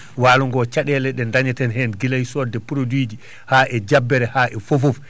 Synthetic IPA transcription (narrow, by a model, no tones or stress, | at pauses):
waːluŋɡɔt͡ʃaɗɛlɛɗɛndaɲɛtɛnɦɛnɡilajsɔdɛpuɾodwiːd͡ʒi | haʔɛd͡ʒabːɛɾɛhaːʔɛfofof